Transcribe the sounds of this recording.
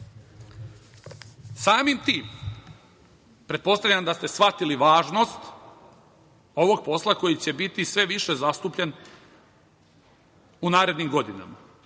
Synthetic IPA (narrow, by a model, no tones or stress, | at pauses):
saːmimt̪iːm | pɾe̞t̪̚po̞st̪aʋʎʲamd̪ast̪e̞sʋat̪iliʋaːʒno̞st̪ | o̞ʋo̞ɡ̚po̞slˠako̞jit͡ɕe̞bit̪isʋe̞ʋiʃe̞zast̪uːpʎen | unaːɾe̞d̪nimɡo̞d̪ina̰ma